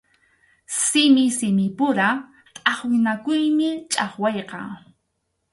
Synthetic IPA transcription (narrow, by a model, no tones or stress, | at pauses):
sɪmɪsɪmɪpʊɾa | t̪ʼɑχwɪnakʊjmɪt͡ʃʼɑχwɑjqɑ̰